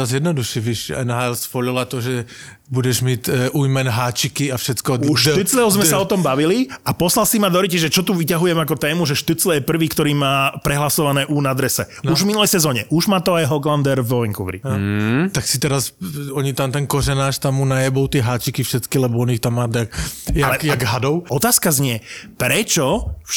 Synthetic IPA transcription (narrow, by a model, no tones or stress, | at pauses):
ɾazjɛd̪nɔd̪uʃɛʋiʃɛ̰nɦaɛlsfɔʎɔlat̪ɔʒɛ | budɛʒmɪɛt̪ʔuːjmɛnɦaːt͡ʃikiafʃɛt͡skɔuʃtt̪it͡slɛʊzmɛsaɔt̪ɔmbaʋiliapɔslalsimad̪ɔɾicɛʒɛt͡ʃɔt̪uʋicaɦujɛmakɔt̪ɛːmuʒɛʃt̪ut͡slɛjɛpr̩ʋiːkt̪ɔɾiːmaːpɾɛɦlasɔʋanɛːʔuːnad̪ɾɛsɛuʒvminulɛjsɛzɔːɲɛʔuʒmaːt̪ɔajɦɔɡland̪ɛɾvʋɔiŋkuʋɾḭt̪aksit̪ɛɾasɔɲit̪ant̪ɛnkɔɾɛnaːʃt̪amːunajɛbɔʊt̪ɪɛɦaːt͡ʃikifʃɛt͡skilɛbɔɔnixt̪amːaːt̪akjalɛkjaɡɦad̪ɔʊɔt̪aːskazɲɪɛpɾɛt͡ʃɔ